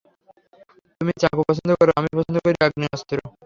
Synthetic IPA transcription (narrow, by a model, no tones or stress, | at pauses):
t̪umit͡ɕakupɔt͡ɕʰond̪okɔɾoʔamipɔt͡ɕʰond̪okoɾiɾaɡniɔst̪oɾo